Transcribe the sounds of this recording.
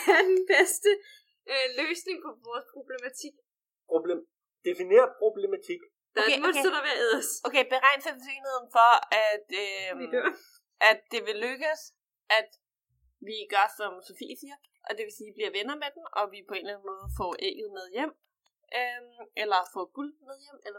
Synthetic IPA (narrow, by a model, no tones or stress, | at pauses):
æɐd̥enb̥esd̥ə | øløːsne̝ŋpʰɒ̽ʋɒːspʰʁo̝b̥lemæt͡sʰiɡ̥ | pʰʁoble | d̥efine̝̰ːɐpʰʁo̝b̥lemæt͡sʰiɡ̥ | d̥ɑemoedɐʋeɐeðˠɐsokʰeɪb̥e̝ʁɑ̈ɪ̰nsɐd̥seːnhe̝ð̞̰ˠn̩fɒ̽æd̥ø | ʔæd̥ːe̝ʋe̝løɡ̥əs | ʔæd̥ | ʋiɡ̥ɶɐsɒ̽mso̝fḭfiɐb̥ | ʔɒ̽d̥e̝ʋe̝siːb̥liɐʋenɐmed̥em̩ʔɒ̽ʋipʰɒ̽e̝̰nlæn̩mɔ̽ːð̞̩ˠfɒ̰ːʔḛɡ̥ð̩ˠmeð̞ˠjem̰ | ʔøʔelɐfɒ̰ːɡ̥uld̥meðˠjem̰elɐ